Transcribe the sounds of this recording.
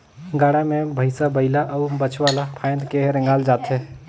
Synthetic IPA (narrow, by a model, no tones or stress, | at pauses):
ɡaːɽamẽbʱəɪsabɐɪlaʔɔːbət͡ʃʰwaːlapʰaːj̃nd̪keɦɾɛ̃ŋɡaːld͡ʒaːt̪ɦɛ